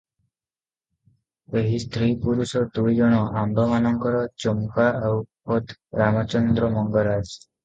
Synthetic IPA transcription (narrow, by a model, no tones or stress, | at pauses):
eɦist̪ʰɾipuɾusɔt̪uɭid͡ʒɔɽ̃ɔʔambʱɔmanɔŋkɔɾɔt͡ʃɔmkaawpot̪ɾamat͡ʃɔnd̪ɾɔmɔŋɡɔɾad͡ʒ